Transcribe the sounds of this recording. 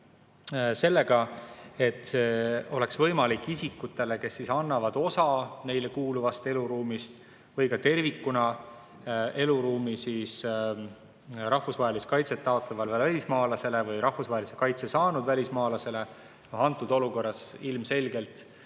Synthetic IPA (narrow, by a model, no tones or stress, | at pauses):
se̞lːe̞ɡ̥ɑe̞t̪ːo̞le̞ksvɤ̞jmɑlikːisikːut̪ːˑe̞le̞ke̞sːisɑnːɑvɑd̪̥o̞sɑne̞jlekuːluvɑst̪e̞luɾuːmist̪ | vɯjkɑt̪e̞rvikːunɑ | e̞luɾuːmisiːs | ɾɑhfusvɑɦeliskɑjt̪se̞t̪ːɑo̞t̪lɑvɑlvɑælʲismɑːlɑse̞levɯjɾɑhfusvɑɦelisekɑjt̪se̞sɑːnud̪vælʲismɑːlɑse̞le̞ | ɑnt̪ˑːud̪̥o̞luko̞rːɑsilmse̞lʲɡ̥e̞lt̪